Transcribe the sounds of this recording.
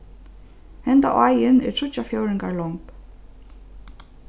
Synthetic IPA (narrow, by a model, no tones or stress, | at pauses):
hɛnt̪a̰ʔaːjɪnɛ̰ɾʰɾʏt͡ɕːafjoːwɾɪŋkaɹlɔŋp